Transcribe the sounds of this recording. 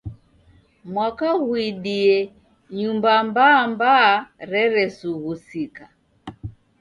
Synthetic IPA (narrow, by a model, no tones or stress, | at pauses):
mwakahuiɗiɛ | ɲumbambambaːɾɛɾɛsuhusika